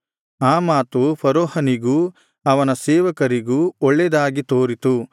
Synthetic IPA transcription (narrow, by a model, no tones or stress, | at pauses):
aːmaːt̪upʰɐɾoːhɐniɡuː | ɐʋɐnɐseːʋɐkɐɾiɡuːɔɭːɛd̪aːɡit̪oːɾit̪u